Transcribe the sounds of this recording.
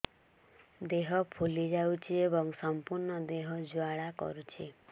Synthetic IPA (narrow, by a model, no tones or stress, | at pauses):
d̪eɦɔpʰulid͡ʒawt͡ʃʰiebɔŋsɔmpuɾɳɔd̪eɦɔd͡ʒwaɽakɔ̰ɾut͡ʃʰi